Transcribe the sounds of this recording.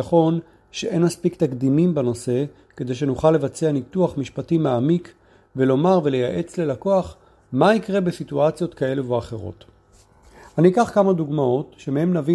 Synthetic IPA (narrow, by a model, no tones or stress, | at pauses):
aχo̞n | ʃeʔe̞nmaspikt̪akd̪imimbano̞se̞ | ke̞d̪e̞jʃe̞nuχalːe̞vat͡seanit̪uaχmiʃpatimaamik | velo̞maʁve̞le̞jaʔe̞t͡sle̞lako̞aχ | maikʁe̞be̞situat͡sjo̞t̪kae̞luveaχe̞ʁo̞̰t | aniːkaχkamad̪uɡmao̞tʃemehe̞mnavi